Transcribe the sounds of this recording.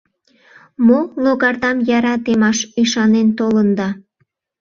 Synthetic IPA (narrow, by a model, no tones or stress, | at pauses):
moloɣɑrd̪ɑmjɑɾɑt̪emɑʃyʃɑnent̪olənd̪ɑ